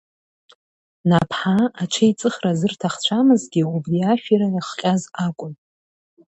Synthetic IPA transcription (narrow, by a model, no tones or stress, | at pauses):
napʰħaat͡ʃʰejt͡sʼɨχrazɨrtʰaχt͡ɕʷʰamɨzɡʲiubriaʃᶣiɾanɨχqʲʼazakʷʼʊn